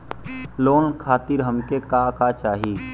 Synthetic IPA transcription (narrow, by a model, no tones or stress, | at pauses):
loːnkʰaːt̪ɪɾɦəmkekakat͡ʃaːɦi